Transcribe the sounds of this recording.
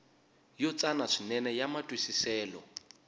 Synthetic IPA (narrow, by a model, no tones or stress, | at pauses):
jɔt͡sʼanaʂinɛnɛjamatʼwisisɛːlɔ